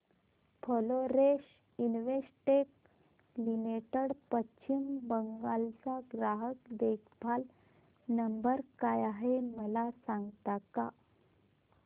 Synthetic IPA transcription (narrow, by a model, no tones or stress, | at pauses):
pʰəloɾeɕ | inʋesʈek | limeʈəɽpətːɕimbəŋɡalt͡saɡɾaɦəkd̪ekʰbʱal | nəmbəɾkajaɦeməlasãŋɡt̪aka